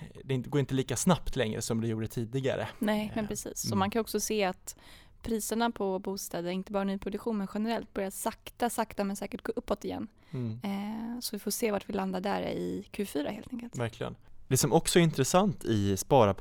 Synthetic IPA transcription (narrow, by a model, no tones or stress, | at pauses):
d̪ɛɪnt̪əɡoːɾɪnt̪əliːkasnapt̪ʰlɛŋɾə̰sɔmd̪ɛjuːɖət̪ʰiːd̪ɪɡa̰ɾə̰nɛmɛnpʰɾɛsḭːsːɔmankʰanɔksɔseːat̪ | pʰɾiːsəɳapʰɔbuːst̪ɛːd̪əɾɪnt̪əbɑːɾanyːpʰɾʊd̪ɵkɧuːnmɛnɧɛnəɾɛlt̪̚bœɾjasakt̪asakt̪amɛnsɛːkəʈ̚ɡoːʔɵpːɔt̪ɪjɛ̰nː | sɔvɪfoːseːvaʈvɪland̪ad̪æ̰ɾɪ̰kʰʉ̟ːfyːɾa̰heːlt̪ɛŋkəlt̪væɾkʰlɪɡə̰nd̪ɛsɔmɔksɔɛɾɪnt̪ɾɛsant̪ʰɪspɑːɾapʰ